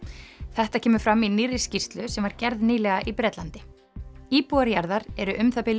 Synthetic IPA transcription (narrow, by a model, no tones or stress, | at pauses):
θɛht̪acʰɛːmʏfɾaminɪːrɪscist̪lʏsɛmvaɾcɛɾðniːlɛɣaʔipɾɛːt̪lant̪ɪ | iːpuaɾjaɾðaɾɛɾʏʔʏmθapɪl